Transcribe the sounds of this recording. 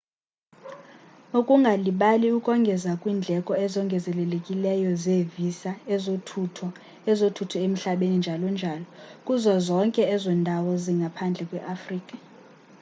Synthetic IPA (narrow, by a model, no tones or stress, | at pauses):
okʼuŋɡʱaliɓaliukʼɔŋɡʱɛzakʼwiːnd͡ɮʱɛkʼɔɛzɔŋɡʱɛzɛlɛlekʼilɛjɔzevisaɛzotʰutʰɔ | ɛzotʰutʰɔem̩ɬaɓenind͡ʒʱalɔnd͡ʒʱaːlɔkʼuzɔzɔŋkʼɛɛzɛndʱawɔziŋɡʱapʰand͡ɮʱɛkʼwɛʔafriːkʼa